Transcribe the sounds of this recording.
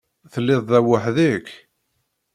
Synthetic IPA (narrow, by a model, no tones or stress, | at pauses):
θəlːɪðˤðæwəħðik